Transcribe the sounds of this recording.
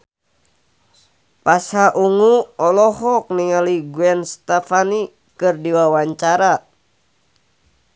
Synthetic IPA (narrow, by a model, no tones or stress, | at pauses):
pashaʔuŋuɔlɔhɔk̚niŋaliɡuɛnst̪ɛfani | kɨrdiwawaɲt͡ʃaɾa